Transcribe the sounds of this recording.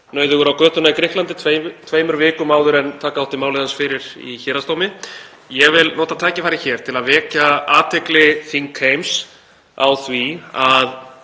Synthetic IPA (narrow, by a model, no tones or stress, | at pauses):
nœːɥðʏɣʏɾawkœːt̪ʏnaikɾɪht̪lant̪ɪt̪ʰet̪ʰveːjmʏɾvɪːkʏmaːwðʏɾɛnt̪ʰaːkaawht̪ɪmaːwlɪðansfɪɾɪɾ̥ḭçɛːɾast̪oːwmɪ | jɛɣvɪlnɔːt̪at̪ʰaːcɪfajɾɪ̥çɛːɾ̥t̪ʰɪlaðvɛːcaaːt̪ʰɛklɪθiŋkʰejms | a̰wθviað